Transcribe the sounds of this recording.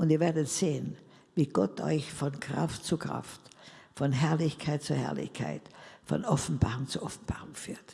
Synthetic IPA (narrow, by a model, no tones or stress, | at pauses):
ʔʊntiːɐveːɐdətseːən | viːɡ̥ɔtʔɔ̰ʏçfɔnkʁ̥a̰ftt͡sukʁ̥a̰ftfɔnɦɛɐlɪçkʰaɪt̚t͡suɐhɛ̰ɐlɪ̰çkʰa̰ɪtfɔ̰nɔfn̩b̥aːʁʊŋt͡suɐʔɔfn̩b̥aːʁʊŋfyːɐt